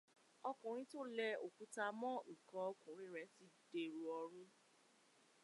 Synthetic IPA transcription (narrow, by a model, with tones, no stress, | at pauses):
ɔ˧kũ˨ɾ̃ĩ˧˦to˦˨lɛ˧o˨ku˧˦ta˧mɔ̃˦i˨kɔ̃˨˧ɔ˧kũ˨ɾ̃ĩ˧ɾɛ˨˦ti˨˦d̥e˧˨ɾu˨ɔ˧ɾũ˦